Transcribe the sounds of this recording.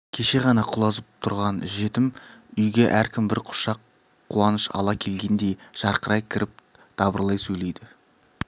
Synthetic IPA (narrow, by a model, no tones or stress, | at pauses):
kʲʰe̞ʃe̞ʁɑnɑqʰʊlˠɑzəp̚t̪ʰʊɾʁɑnʒe̞t̪ɪmʏjɡʲe̞ʔæɾkʲʰɪmbɪɾqʰʊ̥ʃɑqʰː | uɑnəʃɑ̰lˠɑkʲʰe̞lɡʲe̞nd̪e̞jʒ̥ɑɾqəɾʔɑjkʲʰɪɾʔɪp̚ | d̪̥ɑbəɾlˠɑjsɵjle̞jd̪ɪ